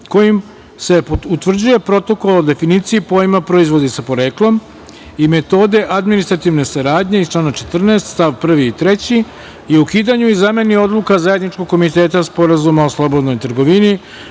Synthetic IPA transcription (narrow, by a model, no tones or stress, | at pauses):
ko̞jim | se̞pout̪ʋr̩d͡ʑuje̞pɾo̞t̪o̞ko̞lod̪e̞finit̪siipo̞jimapɾoizʋo̞d̪esapo̞ɾe̞ːklˠo̞m | ime̞t̪o̞ːd̪e̞ʔad̪minist̪ɾat̪iʋne̞saɾaːd̪ɲe̞ist͡ʃlaːnat͡ʃe̞t̪r̩neːst̪st̪aʋpr̩ʋiːt̪ɾe̞t͡ɕi | jeukiːd̪aɲuizame̞nio̞d̪lukazaje̞d̪nit͡ʃko̞ɡkko̞mit̪e̞ːt̪aspo̞ɾazumaoslˠo̞bo̞d̪nojt̪r̩ɡo̞ʋini